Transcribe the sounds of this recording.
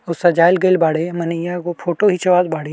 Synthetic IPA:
ʊsɐd͡ʒaːɪlɡeːlbaːɽemɐnijakopʰoːʈoɦit͡ʃɐʋaːd̪baːɽe

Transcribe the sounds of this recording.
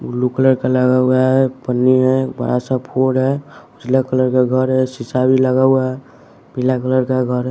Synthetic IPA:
lukələɾkeləɡauaɦɛpənːiɦɛbə̰ɾa̰sapʰoɽɦɛʊt͡ʃlekələɾkeɡʱəɾɦɛsisabʱiləɡauaɦɛ | bʱilakələɾkeɡʱəɾɦɛ

